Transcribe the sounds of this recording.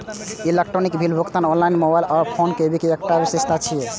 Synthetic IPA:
elek̚ʈɾonikbʱilbʱukt̪anonlainmobajlaɾpʰonkebikeekʈabisest̪ʰat͡ʃʰije

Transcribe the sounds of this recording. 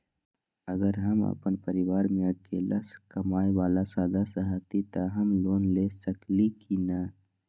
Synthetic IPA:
əɡəɾɦəmə̰pənpəɾɪʋaːɾmẽəkḛːla̰skəmaːjwaːlasaːd̪asəɦat̪it̪aɦəmloːnleːsəklikina

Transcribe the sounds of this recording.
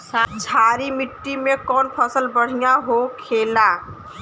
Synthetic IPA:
t͡ʃʰaːɾimɪʈːimẽkɔːnpʰəsəlbəɽ̤ijaɦokʰeːla

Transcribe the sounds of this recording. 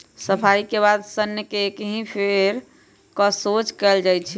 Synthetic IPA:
səpʰaikebad̪sənjəkeːkɦĩpʰeɾ | kɔsot͡ʃkɛld͡ʒajt͡ʃʰi

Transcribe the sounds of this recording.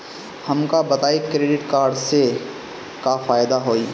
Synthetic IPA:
hɐmkabɐt̪aːikɾeːɖɪʈkaːɾɖse | kafaːjd̪aɦoːiː

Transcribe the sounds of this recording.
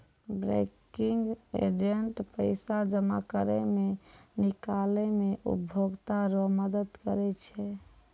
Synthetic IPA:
bɾḛkiŋɡḛd͡ʒeɳʈpəɪsad͡ʒəma̰kəɾɛmenikalɛmeʔṵbʱoɡt̪aɾɔməd̪əd̪kəɾɛt͡ʃʰɛ

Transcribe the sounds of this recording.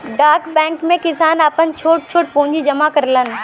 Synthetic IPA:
ɖaːkbɛ̃ːŋkmẽkɪsaːnaːpənt͡ɕʰoːʈ̚t͡ʃʰoːʈ̚põːʊ̃ɲd͡ʑid͡ʑɐmakɐɾlənɪ̆

